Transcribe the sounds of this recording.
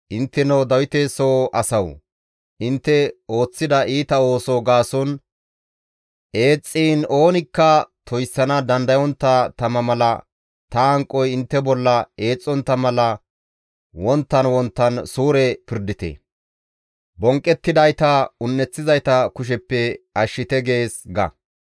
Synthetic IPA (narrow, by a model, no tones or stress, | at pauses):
ʔɪnt̪ːɛnɐwd̪ɐwɪt̪esoʔɐsɐw | ʔɪnt̪ːɛo̞ːt͡sːɪd̪ɐʔiːt̪ɐo̞ːsoːɡaːsɔn | ʔe̞ːt͡sʼːiːno̞ːnɪkːɐt̪ʰɔjsːɐnɐd̪ɐnd̪ɐjɔnt̪ːɐt̪ɐmɐmɐlɐ | t̪ɐɐŋkʼːɔjɪnt̪ːɛbɔlːɐe̞ːt͡sʼːɔnt̪ːɐmɐlɐ | wɔnt̪ːɐnwɔnt̪ːɐnsuːɾɛpɪɾd̪ɪt̪ḛ | bɔŋkʼːɛt̪ːɪd̪ɐjt̪ɐʊnːɛt͡sːɪzɐjt̪ɐkʊʃ̬ɛpːɛɐʃːɪt̪ɛɡe̞ːsɡɐ̰